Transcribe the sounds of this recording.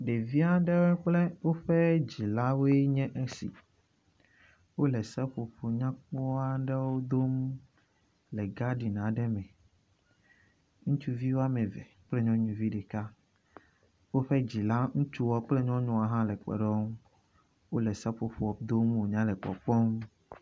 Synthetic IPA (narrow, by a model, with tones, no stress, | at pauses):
ɖe˨vi˦a˦ɖɛ˦wɛ˦k͡plɛ˦wo˦ɸɛ˦d͡ʑi˨la˦wo˦e˦ɲɛ̃˦ʔe˦sḭ˨ | wo˦lɛ˨sɛ˦ɸo˨ɸo˨ɲã˦k͡pɔ˦a˦ɖɛ˦wo˦d̪o˦m | lɛ˨ɡa˦ɖi˨nã˨ɖɛ˦mɛ̃˨ | ŋũ˦t͡ʃu˦vi˦wo˦a˦mɛ̃˨vɛ˨k͡plɛ˦ɲɔ̃˦ɲũ˨vi˦ɖɛ˨ka˦ | wo˦ɸɛ˦d͡ʑi˨la˦ŋũ˦t͡ʃu˦wɔ˦k͡plɛ˦ɲɔ̃˦ɲɔ̃˦a˨ɦã˦lɛ˨k͡pɛ̰˨ɖɔ˦ŋ˦ | wo˦lɛ˨sɛ˦ɸo˨ɸo˦ɔ˨b̚d̪o˦mwo˨ɲã˦lɛ˨k͡pɔ̰˨k͡pɔ˦ŋ˦